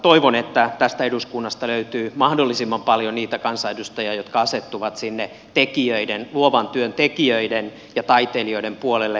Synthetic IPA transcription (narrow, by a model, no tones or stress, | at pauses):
t̪oiʋonet̪ːæt̪æst̪æeduskunːɑst̪ɑløyt̪yːmɑhdolːisimːɑmpɑljoniːt̪ækɑnsɑedust̪ɑjɑjot̪kɑɑset̪ːuʋɑt̪sinːe | t̪ekiøidenluoʋɑnt̪yønt̪ekiøiden | jɑt̪ɑit̪elio̞idempuolelːe